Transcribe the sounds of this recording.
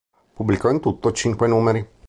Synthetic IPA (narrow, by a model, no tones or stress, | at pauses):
pubːlikɔint̪ut̪ːot͡ʃiŋkwenuːmeɾi